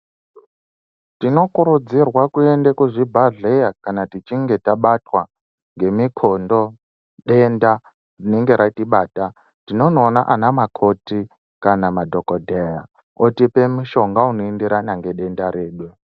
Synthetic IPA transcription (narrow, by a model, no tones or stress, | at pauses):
tino̞kuɾud͡zirwakuendekuʐibʱaɮejakanatit͡ʃiŋɡe̞taɓatwa | ŋɡe̞mikʰondo̞ | ɗe̞nda | rineŋɡe̞ɾatiɓaːta | tino̞noːnaʔanamakʰo̞ti | kanamadʱokodʱeja | otipe̞muʃo̞ŋɡaunoendiɾanaŋɡe̞ɗe̞ndaɾe̞ːɗwe